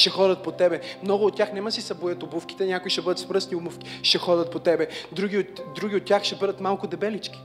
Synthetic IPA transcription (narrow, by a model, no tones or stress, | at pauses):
ʃɛxɔd̪ʲɐt̪̚pot̪ɛbɛmnɔɡʊːt̪̚ːʲjaxnɛmɐsisɐbojət̪obufkʲi̥t̪ɛnʲjakʊiʃɛbɤd̪ət̪spɾɤsniumufkʲi̥ʃɛxɔd̪ʲɐt̪̚pot̪ɛbɛd̪ɾuɡʲiotd̪ɾuɡʲiot̪ʲːjaxʃɛbɤd̪ət̪malˠkʊd̪ɛbɛlit͡ʃkʲi̥